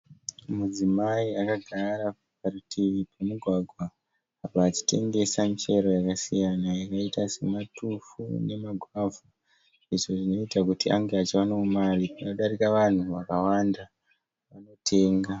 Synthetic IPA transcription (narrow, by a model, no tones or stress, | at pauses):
mud͡zimaiakaɡʱaɾa | paritʰiʋipamuɡʱwaɡʱwa | ɦapaːt͡ʃi̥te̞̰ŋɡe̞samit͡ʃe̞ɾojakasijanajakaitase̞matufṵne̞maɡʱavu | iʐo̞ʐino̞itakutiaŋɡeat͡ʃewanoumaripanoɗaɾikaʋan̤uʋakawanda | ʋano̞tʰe̞ːŋɡa